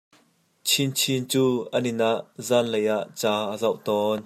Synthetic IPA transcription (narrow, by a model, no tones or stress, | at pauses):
t͡sʰint͡sʰint͡suːənɪnʔaʔzaːnlejʔaʔt͡saːʔəzɐwʔt̪ɔːn